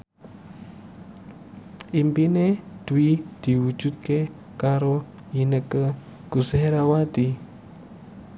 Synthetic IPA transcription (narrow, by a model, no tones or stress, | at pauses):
ʔimpined̪̥uwid̪̥i̤wu̥ʒ̥ṳt̪̚ke | kaɾo | inəkə | ɡ̥useɦɾawat̪i